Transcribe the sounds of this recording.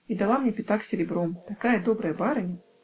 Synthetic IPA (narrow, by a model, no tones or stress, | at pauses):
id̪alˠamnʲepʲɪt̪aksʲɪɾʲɪbɾɔt̪akajəd̪obɾəjəbaɾɐnʲ